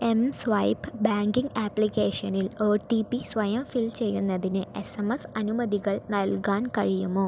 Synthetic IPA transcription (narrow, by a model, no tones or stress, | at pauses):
e̞msʋɐjpbaːŋɡiŋɡaːplikeːʂɐniloːʈipisʋɐjɐmfilt͡ɕe̞jːunːɐðinɨesɐmɐsɐnumɐðiɣɐɭnɐlkaːnkɐɻijumoː